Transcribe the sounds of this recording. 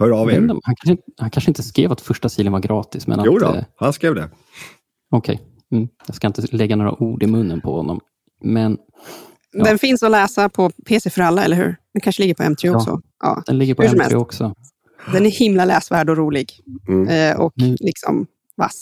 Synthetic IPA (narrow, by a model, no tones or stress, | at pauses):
hœːɾɑɛd̪hankʰanʂɪt̪hankʰanʂəɪnt̪əskɾḛːvat̪fœʂʈasiːlənvaɾɡɾɑːt̪ɪsmɛ̰naṵːhanskɾeːvd̪ɛ̰ | ɔkʰɛj | m̩ːjɑɡskaɪnt̪əlɛɡːanoːɾa̰ʔuːɖɪmɵnːənpʰɔhɔnːɔ̰m | mɛn | d̪ɛnfɪnsɔlɛːsapʰɔpʰeːsɛfœɾalːaɛləɾhʉ̟ːɾd̥̪ɛnkʰanʂəlɪɡːəɾpʰɔɛ̰mt̪ʰɾeːɔksɔ̰ʔɑ̰ːd̥̪ɛnɪɡəɾpʰɔɛmɛɾḛːɔksɔ | d̪ɛnæhɪmlalɛːsvæːɖɔɾuːlɪɡ | ʔɔklɪksɔ̰m | va̰s